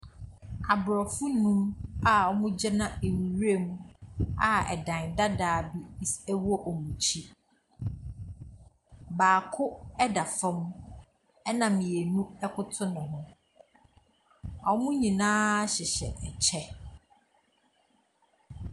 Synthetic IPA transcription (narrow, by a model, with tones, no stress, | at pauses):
a˨bɾɔ˨fʊ˦nũ˦ma˨ɔ˦mũ˦d͡ʑɛ˦nã˦e˨wi˨ɾe˦˨mũ˦a˦˨ɛ̰˨dã˨nda˦daː˨bi˦sɛ˦wɔ˦ʔɔ˨mũ˨t͡ɕʰi˦ | baː˨kʰʊ˦ɛ˦da˨fɔ̃˦m˦ | ɛ˦nã˨mjɛ˨nũ˦ɛ˦kʰʊ˦tʰʊ˦nʊ̃˨ɦʊ̃˦ | ɔ˦mũ˦ɲĩ˨nãː˦ɕɪ˨ɕɛ̰˨ʔɛ˨t͡ɕʰɛ˦